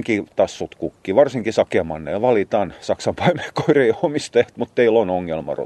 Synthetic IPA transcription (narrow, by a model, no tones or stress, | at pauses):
ŋkit̪ɑsːut̪kukːiʋɑrsiŋkisɑkemɑnːḛːlʋɑlit̪ɑnsɑksɑmpɑimeko̥ireiomist̪eht̪mut̪t̪eilonoŋːelmɑ̰ro̰